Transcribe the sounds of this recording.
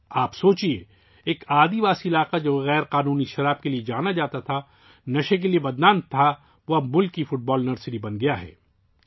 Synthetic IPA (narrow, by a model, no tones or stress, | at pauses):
aːpsoːt͡ʃie | eːkaːd̪ibaːsiɪlaːqad͡ʒoːɣɛːɾqaːnuːniʃɐɾaːb̚kelied͡ʒaːnad͡ʒaːt̪at̪ʰa | nɐʃek̬eliebɐd̪naːnt̪ʰa | ʋɐmʊlkifʊʈ̚bɔːlnɐɾsɪɾibɐnɡɐjaɦɛ̰ː